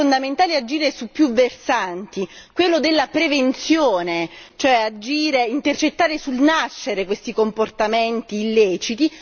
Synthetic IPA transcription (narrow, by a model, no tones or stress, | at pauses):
ond̪ament̪aːlead͡ʒiːɾesupːjuvːersant̪ikwelːod̪elːapɾevent̪sjoːnet͡ʃoɛad͡ʒiːɾeint̪ert͡ʃet̪ːaːɾesulnaʃːeɾekwest̪ikomport̪ament̪iːlːɛːt͡ʃit̪i